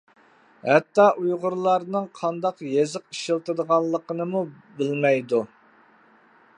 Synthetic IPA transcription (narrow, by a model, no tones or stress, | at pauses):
hɛt̪ːɑʔujʁʊɾlˠɑɾnɨŋqʰɑnd̪ɑqjezɨqiʃɪlˠt̪ɨd̪əʁɑnlˠːəqənɨmu | bɪlmɛjd̪u